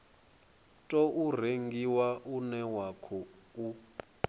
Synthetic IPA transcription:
tʼɔʔur̤eŋɡiwaʔunɛwakʰɔu

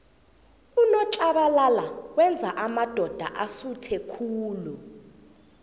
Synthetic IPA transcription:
unɔǁaɓalalawɛnd͡zʱaʔamad̥ʱɔd̥ʱa̰ʔasutʰɛkʰuːlu

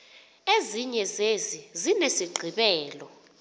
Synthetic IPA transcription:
eziɲɛzezizinesiɡ͡ǀʱiɓɛːlɔ

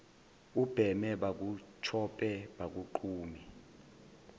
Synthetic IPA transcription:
ub̥ʱɛmɛɓak̬ut͡ʃʰɔpʼɛɓak̬uǃuːmi

